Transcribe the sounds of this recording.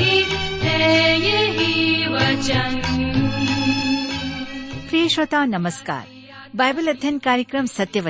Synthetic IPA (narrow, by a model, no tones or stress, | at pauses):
iɦɛjeɦiʋɐt͡ʃɐn | pɾeːʃʋɐt̪aːnɐmɐska̰ːɾ | bajbɐlɐd̪ʱjɐnkaːɾjɐkɾɐmsɐt̪jɐʋɐ